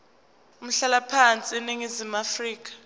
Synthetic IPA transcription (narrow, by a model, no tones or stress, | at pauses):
um̩ɬalapʰant͡sʼiɛneŋizimafriːk̬ḁ